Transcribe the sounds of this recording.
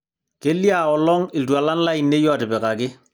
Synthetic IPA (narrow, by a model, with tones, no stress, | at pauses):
ke˦lːi˦a˨ɔ˨lɔ˦ŋɪ˨ldu˨a˨la˦nla˦i˨nːe˦jɔ˦˨dɪ˨bɛ˨ka˨kɪ˦